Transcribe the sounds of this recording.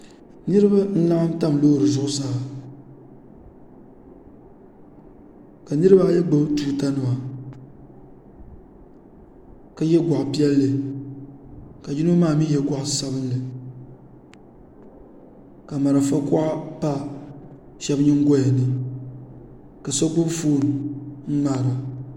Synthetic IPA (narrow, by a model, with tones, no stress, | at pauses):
nɨ˦ɾɨ˦ba˦n̩˦la˦ʔa˦mta˦mlo˦ɾɨ˨zʊ˦ʔʊ˦sa˦ha˨ | ka˨nɨ˦ɾɨ˦ba˦jɛ˦ɡ͡bɨ˦tuː˦ta˦nɨ˨wa˨ | ka˦jɛ˦ɡʷa˨ʔpi˦ɛ˦lːɨ˨ | ka˨d͡ʒi˦nu˦maː˦˨mi˦jɛ˦ɡʷa˦ʔsa˦bɨ˦nlɨ˨ | ka˨ma˨ɾa˨fa˦kʊ˦ʔa˦pa˦ | ʃɛ˦bɲɪ˦ŋɡɔ˦ja˨nɨ˨ | ka˨so˦kʊ˦bfuː˦˨n˨m̩˦maː˨ɾa˨